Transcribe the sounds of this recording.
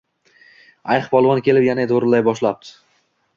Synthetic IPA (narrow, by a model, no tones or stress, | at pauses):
ajχbɒlˠvɒnkʲe̞lɪpjanad̪oɾɪlajbɒʃlap̚t̪ʰɪ̥